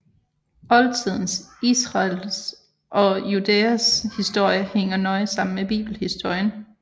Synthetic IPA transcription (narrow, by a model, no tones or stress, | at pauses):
ɒ̽lt͡sʰið̞̰ˠn̩sisʁɑls | ʔɒ̽jud̥eːæshisd̥o̝ɐ̰jəheŋ̰ɐnɒ̽ɪsɑ̈m̰n̩meb̥ḭːb̥l̩hisd̥o̝ɐ̰jən